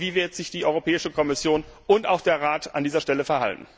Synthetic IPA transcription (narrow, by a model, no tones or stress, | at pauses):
viːvɪɐtz̥ɪçd̥iːʔɔʏʁopʰɛːɪʃəkʰɔmɪsjoːnʊntaʊxd̥eːɐʁaːtʰa̰ndiːzɐʃtɛləfɛɐɦa̰ltn̩